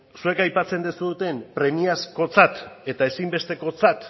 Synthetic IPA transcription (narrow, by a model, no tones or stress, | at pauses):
sue̞kajpat͡se̞nd̪esuðut̪e̞mpɾe̞miasko̞t͡sat̪e̞t̪ae̞simbe̞st̪e̞ko̞t͡sat̪